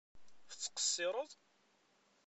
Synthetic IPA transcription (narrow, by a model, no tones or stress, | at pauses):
fət͡sːqə̥sːɪɾˤəðˤ